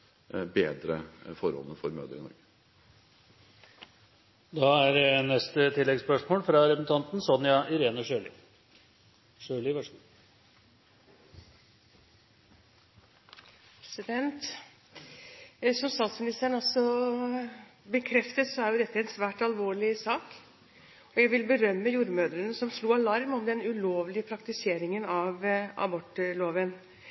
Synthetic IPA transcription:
beːd̪ɾəfɔɾhɔ̰lnəfɔɾmø̰ːd̪əɾɪnɔ̰ɾɡə | d̪ɑːæɾnɛst̪ət̪ʰɪlːɛɡspœʂmoːlfɾɑɾɛpən̩t̪ʰɑnt̪n̩sɔnjɑʔɪɾeːnəʂøːlɪ | ʂøːlɪʋœʂ | pɾɛsɪd̪ɛnt̪ | sɔmst̪ɑːt̪smɪnɪst̪æːɳɑlsɔ | bəkʰɾɛft̪əsɔæɾjʊd̪ɛt̪ːəɛnsʋæːʈɑlʋoːɭɪsɑːk | ɔjæɪʋɪlbəɾœmːəjuːɾmøːd̪ɾənəsɔmʂluːɑlɑɾmɔmd̪ɛnʉloːʋlɪəpʰɾɑkt̪ɪseːɾɪŋənɑʋʔɑ̰bɔʈːloːʋən

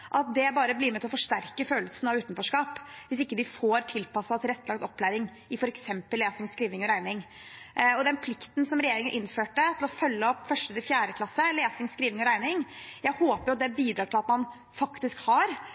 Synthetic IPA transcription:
ʔɑt̪̚d̪ɛbɑːɾəblɪmɛt̪ʰɪlɔfɔʂʈæɾkəføːllsənɑʋʉːt̪nfɔʂkɑːpʋɪsɪkːəd̪ɪfoːɾʈ̪ʰɪlpɑsːɑt̪ɾɛt̪ːlɑkt̪ɔpːlæːɾɪŋ | ɪfɔɾɛksɛmpəlːeːsɪŋskɾiːʋnɪŋɔɾæɪnɪŋ | ɔd̪ɛnpʰlɪkt̪n̩sɔmɾɛjeːɾɪŋəɾʔɪnføːʈət̪ʰɪlɔfœlːəɔpːfœʂʈəd̪ɪfjæːɾəkʰlɑsːəleːsɪŋskɾiːʋnɪŋɔɾæɪnɪŋjæɪhoːpəɾjʊɑt̪̚d̪ɛbiːd̪ɾɑːʈʰɪlɑt̪mɑn | fɑkt̪ɪskhɑɾ

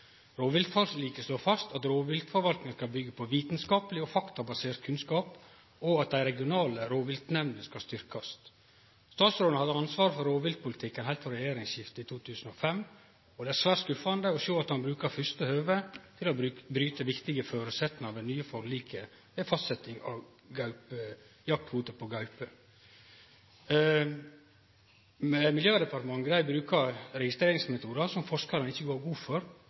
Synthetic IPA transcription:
ɾoːʋɪlt̪fɔlliːkəsloːfɑst̪ɑt̪ɾoːʋɪlt̪fɔɾʋɑlt̪nɪŋəskɑlbʏɡːəpʰɔʋiːt̪nskɑːpəlɪɔfɑkt̪ɑbɑseːɾt̪̚kʰʉnskɑːp | ɔɑt̪̚d̪æɪɾɛɡɪʊnɑːləɾoːʋɪlt̪nɛʋnəskɑst̪ʏɾkɑs | st̪ɑːt̪sɾoːnhɑd̪əɑnsʋɑːɾfɔɾoːʋɪlt̪̚pʊlɪt̪ʰɪkːənhæɪlt̪fɔɾɛjeːɾɪŋsjɪft̪əɪt̪ʰuːt̪ʰʉːsn̩ofɛmː | ɔd̪ɛæɾsʋæːʈskʉfɑnd̪əɔʃoːɑt̪hɑnbɾʉːkɑɾfʏst̪əhøːʋət̪ʰɪlɔbɾyːt̪əʋɪkt̪ɪɡəføːɾʉsɛt̪nɑʋd̪ɛnːyːəfɔɾliːkʰə | əfɑst̪sɛt̪ːɪŋɑ̰ | ɡɑʉpjɑk̚t̪huːt̪əpʰɔɡɑʉpə | mɛmɪljøːd̪ɛpɑɾʈ̪t̪əmɑŋːɡd̪æɪbɾʉːkʰɑɾɾɛɡɪst̪ɾeːɾɪŋsmɛt̪ʰuːd̪ɑsɔmfɔʂkɑɾənɪçːəɡoːɾɡuːfɔɾ

